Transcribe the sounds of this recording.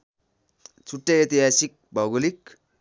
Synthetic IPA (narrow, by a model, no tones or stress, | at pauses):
t͡sʰuʈːʌjet̪iɦasik̚bʱʌɡolik